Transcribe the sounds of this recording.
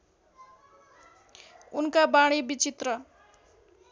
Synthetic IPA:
unkabaɽ̃ibit͡sit̪rʌ

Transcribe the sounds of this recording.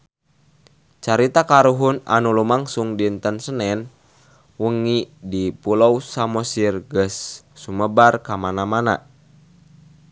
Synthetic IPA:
t͡ʃaɾit̪akaɾuɦuna̰nulumaŋsuŋdint̪ənsənɛn | wəŋidipulousamɔsirɡəsːuməbarkamanamana

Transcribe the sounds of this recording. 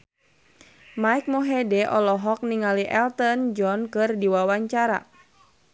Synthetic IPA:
maik̚mɔɦɛdɛʔɔlɔɦɔk̚niŋaliʔɛlt̪ənd͡ʒɔnkɨrdiwawaɲt͡ʃaɾa̰

